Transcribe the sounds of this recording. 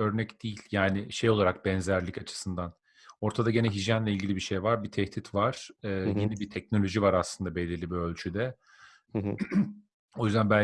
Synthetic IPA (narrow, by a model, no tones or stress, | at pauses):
ø̞ɾnɛcd̪̥iːlʲjaːnɪʃe̞jo̞lˠaɾak̚bɛnzæɾlʲicat͡ʃʰɯ̥sɯnd̪an | o̞ɾt̪ʰad̪aɟe̞nɛɦiʒjænlʲɛilʲɟilʲibiʃejvaɾbit̪ʰɛht̪ʰit̪vaɾ̥ɯːjinibit̪ʰɛcno̞lʲo̞ʒivaɾaslˠɯnd̪abe̞lʲiɾlʲibiølʲt͡ʃʰyd̪ɛ | o̞jyzd̪ænbælʲ